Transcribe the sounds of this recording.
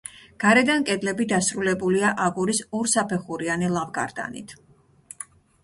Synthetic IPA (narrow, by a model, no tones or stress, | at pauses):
ɡ̥aɾɛd̪ankʼɛd̪lɛbid̪asɾulɛbuliaʔaɡuɾisuɾsapʰɛχuɾianilˠavɡa̰ɾd̪a̰nḭt̪ʰ